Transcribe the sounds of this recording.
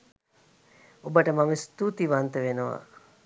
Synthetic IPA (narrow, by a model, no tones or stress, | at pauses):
obəʈəmaməst̪ut̪iʋant̪əʋenəʋa̰